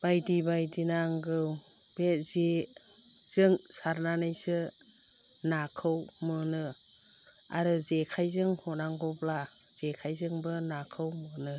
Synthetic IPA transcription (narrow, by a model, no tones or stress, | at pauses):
b̥ajdibajdinaŋɡɯw | b̥eze | z̥ɯŋsaɾnanajsɯ | nakʰɯwmɯnɯ | a̰ɾɯzekʰajzɯŋhɔnaŋɡɔpla | z̥ekʰajzɯŋbɯnakʰɯwmɯnɯ